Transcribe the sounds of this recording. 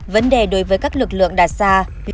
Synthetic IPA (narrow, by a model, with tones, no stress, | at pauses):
və˨˦nɗe˨˩ɗo˨˦jvəː˨˦jkaː˦˥k̚lɨ˨˩k̚lɨ̰˧˨əŋɗaː˨˩saː˧